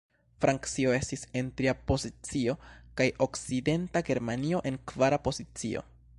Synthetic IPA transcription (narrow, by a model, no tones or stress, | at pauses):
fɾʔaŋkt͡sio̞e̞stise̞ntɾiapo̞zit͡sio̞kajʔo̞kt͡side̞ntaɡe̞ɾmanio̞ʔe̞nkvaɾapo̞zit͡sio̞̰